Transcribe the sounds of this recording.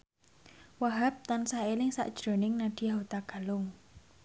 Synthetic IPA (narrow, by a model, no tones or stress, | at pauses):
waɦap̚t̪ansaelɪŋsa̰ʔd̥ʒ̥ɾo̤nɪŋnaɖ̥i̤aot̪aɡ̥a̤lʊŋ